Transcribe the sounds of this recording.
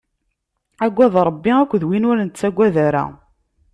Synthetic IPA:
æɡʷːæðɾˤəbːiækʷːðwinʊɾnt͡sːæɡʷːæðæɾa̰

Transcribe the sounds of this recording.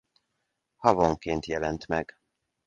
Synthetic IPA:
hɒvoŋkeːnt̪jɛlɛnt̪mɛɡ̥

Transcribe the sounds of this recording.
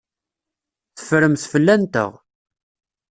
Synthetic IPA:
θə̥fɾəmθfəlːænt̪ə̰ʁ

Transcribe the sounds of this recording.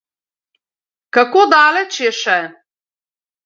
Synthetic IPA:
kakod̪aːlɛt͡ʃjɛʃɛ

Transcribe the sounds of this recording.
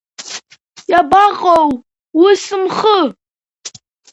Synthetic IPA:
jabaqʼow | wʊsɨmχə

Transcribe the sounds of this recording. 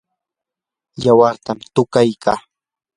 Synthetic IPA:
jawaɾt̪amt̪ʊkajkʰaː

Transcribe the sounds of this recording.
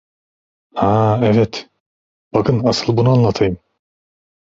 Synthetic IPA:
haɛvɛt̪ | b̥akʰɯnasɯlˠbunuanlˠat̪ʰajɯm

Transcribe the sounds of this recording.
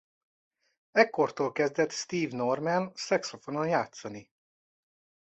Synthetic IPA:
ɛkːo̞rt̪olkɛzd̪ɛt̪st̪iːvnormɛnsɛksofo̞nonjaːt̪sɒni

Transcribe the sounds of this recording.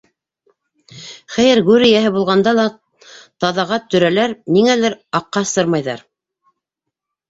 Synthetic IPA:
χæjɘɾɡʉɾɘ̆jæɦɘbulˠʁɑnd̪ɑlˠɑ | t̪ɑðɑʁɑt̪ɵ̆ɾælæɾniŋælɘɾɑqːɑsɤɾmɑjðɑ̰ɾ

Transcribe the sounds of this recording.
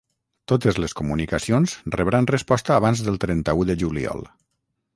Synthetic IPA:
t̪ot̪əzləskumunikəsionzrəβɾanrəspɔst̪əːβ̞anzðəlˠt̪ɾɛnt̪əuðəʒulḭɔ̰lˠ

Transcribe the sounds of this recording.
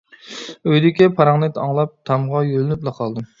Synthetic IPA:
øjd̪ɪkʲɛpʰɑɾɑŋnɨt̪ɑŋlˠɑp̚t̪ʰɑmʁɑjølnyplˠɑqʰɑlˠd̪ɨ

